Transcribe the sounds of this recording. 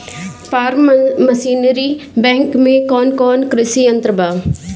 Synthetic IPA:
paːɾmmɐsiːnɾibɛ̃ːŋkmẽkɔːnkɔːnkɾɪsiːə̃nt̪ɾəbaːʋ

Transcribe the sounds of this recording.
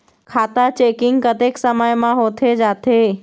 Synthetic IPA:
kʰaːt̪at͡ɕeːkɪ̃ŋɡkɐt̪eːksɐməjmãɦoːt̪ʰed͡ʒaːt̪ʰeː

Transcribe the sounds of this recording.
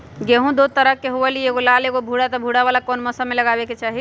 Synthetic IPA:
ɡeɦũd̪ot̪əɾəkːeɦoelieɡolaleɡobʱuɽat̪ɔbʱuɽaβalakonməsameləɡaβeket͡ʃaɦi

